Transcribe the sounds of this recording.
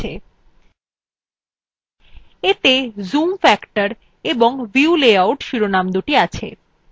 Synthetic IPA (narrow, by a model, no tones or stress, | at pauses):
e | et̪ezumfɛkʈaɾ | eboŋviuleawʈʃuɾonamd̪uʈiat͡ɕʰḛ